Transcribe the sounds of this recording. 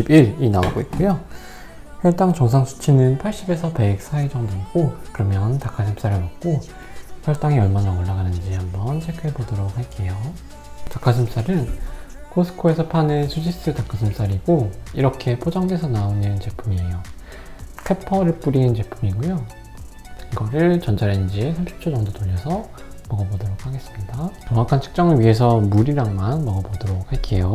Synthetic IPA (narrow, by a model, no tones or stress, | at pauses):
ibiɾinaoɡoit̚k͈ujo | ɸjʌɭt͈aŋt͡ɕʌŋs̬ʰaŋɕʰi̥t͡ɕʰinɯnpʰaɭɕ͈ibe̞sʰʌpe̞k̚s͈ʰaed͡ʑʌŋdek͈okɯɾʌmjʌntakʰasʰɯms͈aɾɯɭmʌk̚k͈o | ɸjʌɭt͈aŋiʌɭmanaoɭːaɡanɯnd͡ʑihambʌnt͡ɕʰekʰɯɭbodʌɾok̚haɭk͈e̞jo | takʰasʰɯms͈aɾɯnkʰosʰɯ̥kʰoe̞sʰʌpʰanesʰud͡ʑis͈ɯtak͈ʰasʰɯms͈aɾiɡoiɾʌkʰe̞pʰod͡ʑaŋdwe̞sʰʌnaonɯnt͡ɕe̞pʰumiejo | kʰepʰʌɾɯɭp͈uɾint͡ɕe̞pʰumiɡojo | kiɡʌɾɯɭt͡ɕʌnd͡ʑʰaɾenɯnd͡ʑiesʰamɕʰi̥p̚t͡ɕʰod͡ʑʌŋdotoʎːʌsʰʌ | mʌɡʌbodoɾokʰaɡe̞s͈ɯmɲidat͡ɕʌŋakʰant͡ɕʰɯ̥k̚t͡ɕ͈ʌŋɯɭɥiɦe̞s̬ʰʌmuɾiɾaŋmanmʌɡʌbodoɾok̚haɭk͈e̞jo